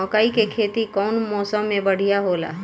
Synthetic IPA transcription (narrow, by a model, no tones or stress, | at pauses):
ɔ̃ːkaːikekʰeːt̪ikɔːnmɔːsə̃mːẽbɐɽ̤ijaɦoːla̰ː